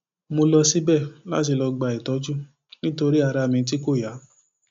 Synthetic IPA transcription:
mo˧lɔ˧si˦bɛ˦˨la̰˦t̬i˧lɔ˧ɡ͡ba˧i˨tɔ˨˦d͡ʒu˦ | nĩ˦to˧ɾi˦a˧ɾa˧mĩ˧t̬i˦ko˦˨ja˨˦

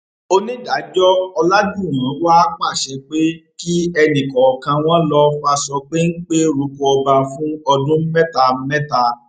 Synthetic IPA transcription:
o˧nĩ˦da˨˦d͡ʒɔ˦ɔ˧la˦d͡ʒũ˦˨wã˨˦wa˦k͡pa˦˨ʃe˧k͡pe˦ki˦ɛ˧nĩ˨kɔ˨kã˧w̃ɔ̃˦lɔ˧fa˧sɔ˧k͡pe˦n̩˦k͡pe˦ɾu˨˧˦kɔ˧ɔ˧ba˧fũ˦ɔ˧dũ˦m̩˦mɛ˦ta˧m̩˦mɛ̃˦ta˧

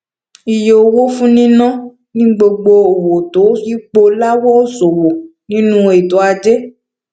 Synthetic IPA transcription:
i˨je˨o˨wo˦fũ˦nĩ˦nɔ̃˦ | nĩ˦ɡ͡bo˧ɡ͡bo˧o˨wo˨to˨˦fi˦k͡po˧la˦wɔ˦o˦so˨wo˨nĩ˦nũ˦e˨to˨˦a˧d͡ʒe˦

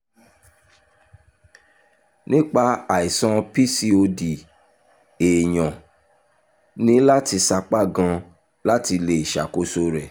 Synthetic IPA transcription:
nĩ˦k͡pa˧a˨i˨sɔ̃˧pi˦si˧o˧di˨ | e˨j̃ɔ̃˨ | nĩ˨˦la˦ti˧sa˧k͡pa˦˨ɡã˧ | la˦ti˧le˨i˨ʃa̰˨ko˦so˦ɾɛ˨

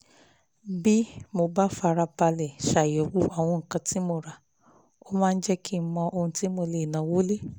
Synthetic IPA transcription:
bi˦mo˧ba˦fa˧ɾa˧pa˧lɛ˨ʃa˨jɔ˨˦wu˦a˦˨w̃ɔ̃˧ŋ̩˨kã˧ti˦mo˧˨ɾa˨ | o˦mãː˦˧n̩˦d͡ʒɛ˦ki˦mɔ̃˧ʔo˧hũ˧ti˦mo˧le˨nã˨˦wo˦le˦

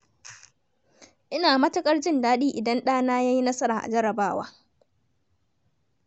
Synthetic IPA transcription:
ʔɪ˦naː˨mɐ˦tʊ˦kʼɐ˦ɽt͡ʃɪ˦ndaː˦ɗiː˦ʔɪ˨dɐ˦nɗaː˦naː˦jaː˦ji˦nɐ˦sɐ˦ɾaː˨ʔa̰˨d͡ʒɐ˦ɾɐ˨baː˦wa̰ː˦

